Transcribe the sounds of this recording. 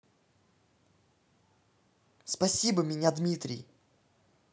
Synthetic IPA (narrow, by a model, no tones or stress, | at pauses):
spɐsʲibəmʲɪnʲad̪mʲit̪ɾʲɪ̰j